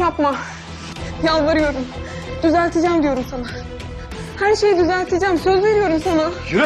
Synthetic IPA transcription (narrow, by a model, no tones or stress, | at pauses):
japma | jalˠvaɾɯjo̞ɾum | d̪̥yzælʲt̪ʰed͡ʒæmd̪ijo̞ɾumsana | hæɾʃe̞jid̪yzælʲt̪ʰed͡ʒæːmsø̞zve̞ɾijo̞ɾumsanajyɾ